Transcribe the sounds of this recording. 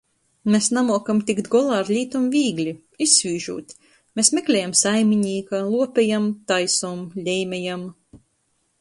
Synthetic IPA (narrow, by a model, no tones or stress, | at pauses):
mesnamuɔkamt̪ikd̪ɡɔlˠaːɾlʲiːt̪umviːɡlʲi | isvʲiːʒṵːt̪ʲ | mesmʲeklʲɛjamsajmʲiɲiːkalˠuɔpʲɛjamt̪ajsɔmlʲɛjmʲɛjam